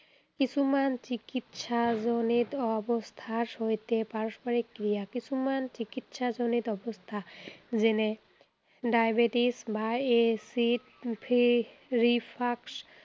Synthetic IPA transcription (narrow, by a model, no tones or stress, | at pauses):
kit͡ɕʰumant͡ɕikit̪ʃazonit̪ɔbost̪ʰaʃojt̪epaɹospaɾikːɾijakit͡ɕʰumant͡ɕikit̪ʃazonit̪ɔbost̪ʰazene | ɖajbeʈisbaesiʈ | pʰi | ɾipʰaks